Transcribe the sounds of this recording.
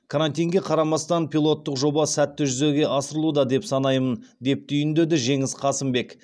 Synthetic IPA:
kʰaɾant̪ʲijŋɡʲe̞qʰɑɾɑmɑst̪ɑnpʲilˠo̞t̪ːəqʒo̞bɑsæt̪ːɪʒʏze̞ɡʲe̞ʔɑsəɾəlˠud̪ɑd̪e̞psɑnɑjmənd̪e̞p̚t̪ʰʏjɪnd̪e̞d̪ɪʒe̞ŋɪsqʰɑsɪmbe̞k

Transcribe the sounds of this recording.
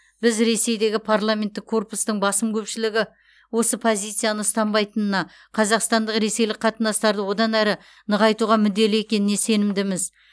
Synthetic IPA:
b̥ɪzɾe̞se̞jd̪e̞ɡʲɪpʰarlˠamʲe̞nt̪ːɪkʰːo̞rpust̪əɴbɑsəmkʲʰɵpʃɪlɪɡʲɪ | wo̞səpʰo̞zʲijt̪sijanəst̪ɑmbɑjt̪ənənɑ | qʰɑzɑqst̪ɑnd̪əqɾe̞se̞jlɪk̚qʰːɑt̪ənɑst̪ɑɾd̪əwo̞d̪ɑnæɾɪ | nəʁɑjt̪uʁɑmʏd̪ːe̞lɪe̞kʲe̞nɪne̞se̞nɪmd̪ɪmɪz

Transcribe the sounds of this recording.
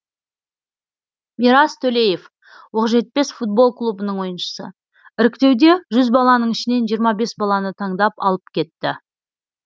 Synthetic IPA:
miɾɑst̪ʰɵle̞je̞f | woqʒe̞t̪̚pe̞sfut̪̚bo̞lˠklˠubənəɴwo̞jənʃə̥sə | ɪɾɪkʲt̪e̞wd̪e̞ʒʏzbɑlˠɑnəɴɪʃɪne̞nʒijəɾmɑbe̞sbɑlˠɑnət̪ʰɑɴd̪ɑpɑ̰lˠəp̚kʲʰe̞t̪ːɪ

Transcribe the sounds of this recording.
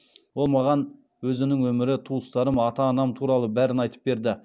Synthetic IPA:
wo̞lˠmɑʁɑn | wɵzɪnɪŋwɵmɪɾɪt̪ʰuəst̪ɑɾəmɑt̪ɑːnɑmt̪ʰuɾɑlˠəbæɾɪnɑjt̪ə̥p̚be̞ɾd̪ɪ

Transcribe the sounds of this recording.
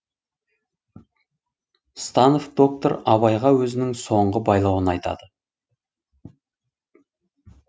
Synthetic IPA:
st̪ɑnofd̪̥o̞k̚t̪oɾɑβɑjʁɑwɵzɪnɪŋso̞ɴʁəbɑjlˠɑwənɑjt̪ɑ̰d̪̥ə

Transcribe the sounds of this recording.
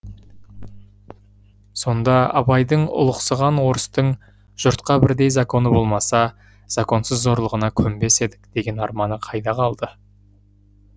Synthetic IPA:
so̞nd̪ɑɑ̰bɑjd̪əɴʊ̰lˠəqsəʁɑnwo̞ɾəst̪əɴ | ʒ̥ʊɾt̪qɑbɪɾd̪e̞jzako̞nəbo̞lˠmɑsɑ | z̥ako̞nsəzːo̞ɾlˠəʁənɑkʲʰɵmbe̞se̞d̪ɪkd̪̥e̞ɡʲe̞nɑɾmɑnəqʰɑjd̪ɑqʰɑlˠd̪ə

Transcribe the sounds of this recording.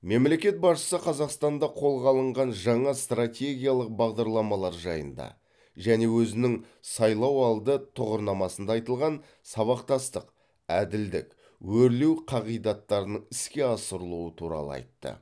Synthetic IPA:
me̞mle̞kʲe̞t̪̚bɑʃə̥səqʰɑzɑqst̪ɑnd̪ɑqʰo̞lˠʁɑlˠəɴʁɑnʒɑɴɑst̪rat̪ʲe̞ɡʲijalˠəq̚bɑʁd̪ɑɾlˠɑmɑlˠɑɾʒɑjə̰nd̪ɑ̰ | ʒæne̞wɵzɪnɪŋ | sɑjlˠɑwɑlˠd̪ət̪ʰʊʁəɾnɑmɑsənd̪ɑːjt̪əlˠʁɑn | sɑβɑqt̪ɑst̪əq | æd̪ɪld̪ɪ̰k | wɵɾlewqʰɑʁijd̪ɑt̪ːɑɾənəɴɪskʲe̞ɑsəɾəlˠuət̪ʰuɾɑ̰lˠə̰ɑ̰jt̪ːə̰

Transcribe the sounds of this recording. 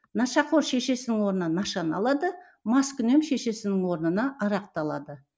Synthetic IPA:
nɑʃɑqʰo̞ɾʃe̞ʃe̞sɪnɪŋwo̞ɾənɑnɑʃɑnɑ̰lˠɑd̪ə | mɑskʲʏne̞mʃe̞ʃe̞sɪnɪŋwo̞ɾnənɑʔɑɾɑq̚t̪ɑlˠɑ̰d̪ə

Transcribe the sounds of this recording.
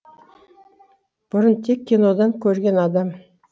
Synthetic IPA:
b̥ʊɾənt̪ʰekʲːinod̪ɑŋkʲʰɵɾɡʲe̞nɑd̪ɑm

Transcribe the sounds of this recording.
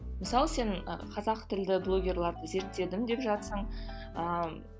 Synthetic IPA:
məsɑlˠse̞ɴə̰qʰɑzɑqt̪ʰɪld̪ɪblˠo̞ɡʲe̞rlˠɑɾd̪əze̞ɾt̪ːe̞d̪ɪmd̪e̞pʒɑt̪səɴ | ə

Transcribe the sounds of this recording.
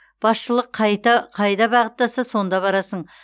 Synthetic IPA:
b̥ɑsʃəlˠəqʰːɑjt̪ɑqʰɑjd̪ɑbɑʁət̪ːɑsəso̞nd̪ɑβɑɾɑsəɴ

